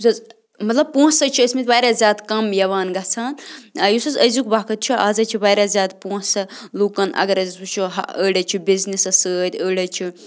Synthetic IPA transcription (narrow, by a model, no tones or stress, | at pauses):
sɐz | mɐt̪lɐb̚põːsɐt͡ʃʰiəsmet̪̚ʲbaːɾazʲjaːd̪kɐmjɐʋaːnɡɐt͡sʰaːnjusɐzəzukbakʰɐt̪̚t͡ʃʰiɐːzɐt͡ʃʰibaːjɾazjaːd̪põːsɐluːkɐnɐ̰ɡɐɾɐzut͡ʃʰiɦa̰əːɽɐt͡ʃʰibiznisɐsəːt̪ʲəːɽɐt͡ʃʰi